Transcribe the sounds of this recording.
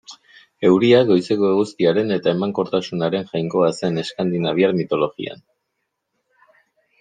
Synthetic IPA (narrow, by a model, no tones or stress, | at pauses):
e̞wɾiaɡo̞jse̞ko̞eɣust̪iaɾe̞ne̞t̪ae̞maŋko̞ɾt̪asunaɾe̞ŋʝajŋko̞ase̞ne̞skand̪inaβiaɾmit̪o̞lo̞ɣḭa̰n